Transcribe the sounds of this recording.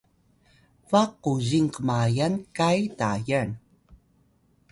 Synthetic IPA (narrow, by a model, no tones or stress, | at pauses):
vaqːuziŋkəmajankajtajan